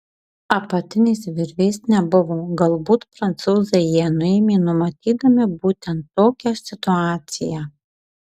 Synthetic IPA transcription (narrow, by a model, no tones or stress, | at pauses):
ɐpɐt̪ʲɪnʲɛsʋʲɪɾʲʋʲɛɪsnʲɛbʊʋoːɡɐlˠbuːt̪pɾɐnt̪suːzɐɪjiɛnʊeːmʲeːnʊmɐt̪ʲiːd̪ɐmʲɪbuːt̪ʲɛnt̪ːoːkʲɛsʲɪt̪ʊɑːt̪sʲɪjɛ